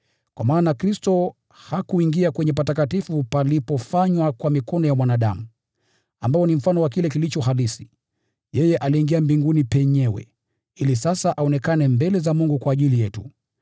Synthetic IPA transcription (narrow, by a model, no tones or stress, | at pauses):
kwa̰maːnakɾistɔ | hakuiŋɡiakwɛɲɛp̬atakatifupalipɔfaɲwakwamikɔnɔjamwanaɗamu | ambaɔnim̩fanɔwak̬ilɛkilit͡ʃɔɦalisi̥ | jɛjɛʔaliːŋɡiambiŋɡunipɛɲɛwɛ̰ | ilisasaʔaɔnɛkanɛmbɛlɛzamuŋɡukwaːʄilijɛtu